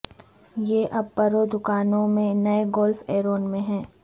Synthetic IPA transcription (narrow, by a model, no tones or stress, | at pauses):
jeːʔɐb̚pɐɾod̪ʊkaːnõmẽnɐeɡɔːlfeːɾoːnmẽɦɛ̃ː